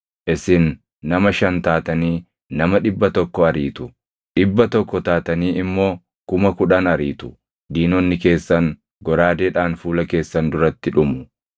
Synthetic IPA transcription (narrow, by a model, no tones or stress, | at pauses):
ʔɪsɪnː | ɐmɐʃɐnt̪aːt̪ɐniː | nɐmɐᶑɪbːɐt̪ɔkːɔɐɾiːt̪ʊ | ᶑɪbːɐt̪ɔkːɔt̪aːt̪ɐniːʔɪmːo̞ː | kʊmɐkʊᶑaːnɐɾiːt̪ʊ̥ | d̪iːnɔnːɪke̞ːsːɐŋ | ɡɔɾaːd̪eːᶑaːnfuːlɐke̞ːsːɐnd̪ʊɾɐt̪ːɪᶑʊmʊ